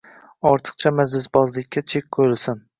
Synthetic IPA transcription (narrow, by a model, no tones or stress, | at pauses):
ɒɾt̪ʰɨ̥qt͡ʃʰamazlɪsbɒzlɪkʲʰːat͡ʃʰekʲkʰolɪsɪn